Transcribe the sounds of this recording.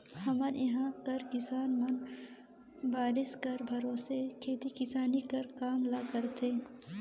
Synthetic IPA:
hɐməɾjɐɦãːkɐɾkɪsaːnmɐn | baːɾɪskɐɾbʱɐɾõːsekʰeːt̪ikɪsaːnikɐɾkaːmlakɐɾt̪ʰeː

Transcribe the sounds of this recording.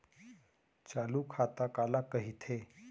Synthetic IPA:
t͡ɕalukʰat̪akalakəɦit̪ʰe

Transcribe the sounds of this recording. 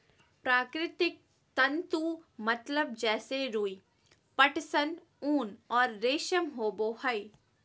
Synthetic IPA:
pɾaːkɾɪt̪ɪk̚ | t̪ɐ̃nt̪umɐt̪ləb̚d͡ʒɛːseɾuːi | pɐʈsən | uːnɔːɾːeːʃəmɦoːboːhɐi

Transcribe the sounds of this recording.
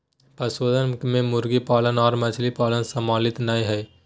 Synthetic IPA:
pəsoːd̪ənkmẽmʊɾɡipaːlənɔːɾmɐt͡ʃʰlipaːlənsəmaːlɪt̪naiɦɛ

